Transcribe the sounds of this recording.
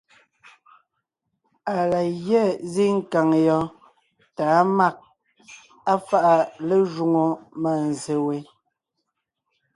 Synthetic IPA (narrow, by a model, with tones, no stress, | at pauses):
a˨la˨ɣjɛ˦˨zi˦ŋ̩˦ka˨ŋjɔ˨˦ | taː˨˦ma˦˨k̚ | a˦fa˦ʔa˨le˦ʒu˨ŋo˨ma˨n˨ze˨we˨˦